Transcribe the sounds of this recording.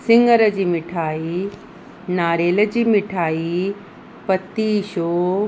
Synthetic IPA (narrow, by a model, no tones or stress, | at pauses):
sɪŋɡəɾəd͡ʑiːmɪʈʰaːi | naːɾeːləd͡ʑiːmɪʈʰaːi | pɐt̪iːʃoː